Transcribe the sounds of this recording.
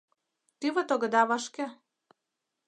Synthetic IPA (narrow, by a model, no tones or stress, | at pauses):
t̪yβɤ̆t̪oɣɤ̆d̪ɑβɑʃkĕ